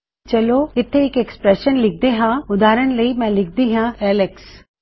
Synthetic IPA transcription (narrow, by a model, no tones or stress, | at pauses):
t͡ʃɐloɪt̪ʰeekekspɾɛʃənlɪk̚ʰd̪eɦãʊd̪aːɾəɽ̃ləimɛ̃lɪk̚ʰd̪iɦãɛːleks